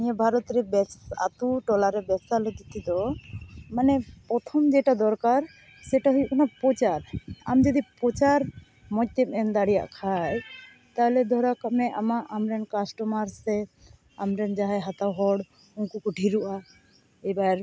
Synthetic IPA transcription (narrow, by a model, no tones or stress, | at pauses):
nijɛbʱaɾɔt̪ɾɛbɛsa̰t̪uʈɔlaɾɛbɛsalod̪it̪id̪ɔ | manɛpɾɔt̪ʰɔmd͡ʒɛʈad̪ɔɾkaɾ | sɛʈaɦujuʔkʰanapɔt͡ʃaɾa̰md͡ʒɔd̪ipɾɔt͡ʃaɾ | mɔc̚t̪ɛmɛnd̪aɽija̰ʔkʰaj | t̪aɦɛlɛd̪ʱɔɾakapnɛʔamaʔamɾɛnkasʈɔmaɾsɛ | amɾɛnd͡ʒaɦajɦat̪awɦɔɽ | uŋkukɔɖʱiɾuʔa | ɛjbaɾ